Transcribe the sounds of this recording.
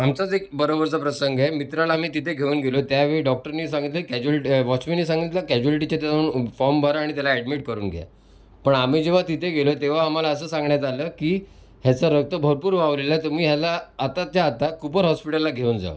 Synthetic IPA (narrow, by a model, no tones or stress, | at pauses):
amt͡sad͡zekbəɾobəɾt͡sapɾəsəŋɡemit̪ɾalaam̤iːt̪it̪ʰeɡʱeuːnɡʱelot̪jaʋeɭiɖɔk̚ʈəɾniːsaŋɡit̪̬ləkɛd͡ʑuəlʈiʋɔt͡ɕminːiːsãŋɡit̪lakæd͡ʑualʈ̬it͡ɕat̪jad͡zaunfɔɾmbəɾaɽ̃it̪jalaɛɽmiʈ̚kəɾuːnɡʱja̰ | pəɳam̤iːd͡ʑeʋ̤at̪it̪ʰeɡʱelot̪eʋ̤aːm̤alaəsəːsãŋɡɳjat̪aləːkiː | ɦjat͡səɾək̚t̪əbʱəɾpuːɾʋaʋlelat̪əmiːɦjalaːt̪at̪jaːt̪akupəɾɦɔspiʈəlːaɡʱeuːnd͡za̰ʋə̰